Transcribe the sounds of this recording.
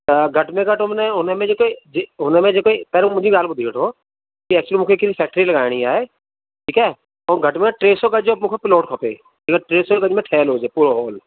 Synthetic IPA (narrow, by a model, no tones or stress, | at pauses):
əɡʱəʈmẽɡəʈomneɦʊnẽmẽd͡ʒekoid͡ʒeɦʊnemẽd͡ʒeːkoipɛːɾmʊd͡ʒʱiɡaːlbʊd̪ʱiɡəʈʰoː | kiɛːk̚t͡ʃlimʊkʰekɪlfʰɛːk̚ʈɾiləɡaːɪɽ̃iaːe | ʈʰiːkɛː | ɔːɡʱəʈmẽʈɾeːsokəd͡ʒomʊkʰepɪloːʈkʰopḛː | ɐɡəʈɾeːsokəd͡ʒmẽʈʰɛːloːd͡ʒepuːɾoɦoːl